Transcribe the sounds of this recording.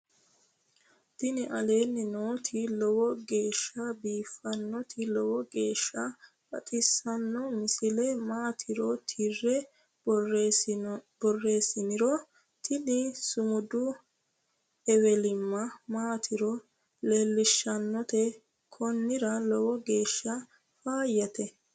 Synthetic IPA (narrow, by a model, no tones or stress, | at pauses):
t̪ɪnɪʔɐle̞ːnːɪnoːt̪ʰɪlɔwɔɡe̞ːʃːɐbiːfːɐnːɔt̪ʰɪlɔwɔɡe̞ːʃːɐ | bʼɐ̰t̪ʼɪsːɐnːɔmɪsɪlɛmaːt̪ʰɪɾɔt̪ʰɪrːɛ | bɔrːe̞ːsɪnɪɾɔ | t̪ʰɪnɪsʊmʊd̪ʊ | ɛwɛlɪmːɐmaːt̪ʰɪɾɔ | leːlːɪʃːɐnːɔt̪ɛ | kʰɔnːɪɾɐlɔwɔɡe̞ːʃːɐ | faːjːɐt̪ɛ